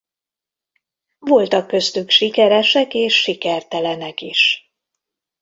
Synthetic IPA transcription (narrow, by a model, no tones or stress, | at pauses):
vo̞lt̪ɒkːø̞st̪ykʃikɛɾɛʃɛkeːʃːikɛrt̪ɛlɛnɛkiʃ